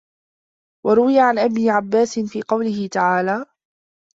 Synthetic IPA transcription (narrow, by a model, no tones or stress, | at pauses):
wɑɾˤʊwɪjaʕanʔabnɪʕabːaːsɪnfiːqɑwlɪhɪt̪aʕaːlaː